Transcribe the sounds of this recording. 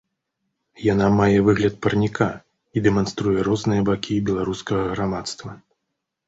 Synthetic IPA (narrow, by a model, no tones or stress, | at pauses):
janamajɛvɨɣlʲɐt̪̚pɐrnʲikʰa | id̪ɛman̪st̪ɾujɛɾɔznɨjɐbakʲibʲɛlˠaɾuskɐɣɐɣɾamat̪st̪vɐ